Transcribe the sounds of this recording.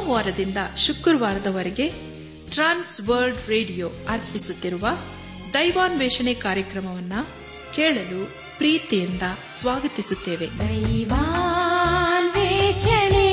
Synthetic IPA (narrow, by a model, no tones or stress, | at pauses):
ʋaːɾɐd̪ind̪ɐʃukɾʋaːɾɐd̪ɐʋɐɾeɡe̞ | ʈɾaːnsʋɐɾlɖɾeːɖijoːɐɾpisut̪ːiɾuʋɐ | d̪ɐjʋaːnʋɛːʃɐnekaːɾjɐkɾɐmɐʋɐnːɐ | keːɭɐluː | pɾiːt̪ijɐnd̪ɐsʋaːɡɐt̪isut̪ːe̞ːʋe̞d̪ɐʋa | nʋeʃɐne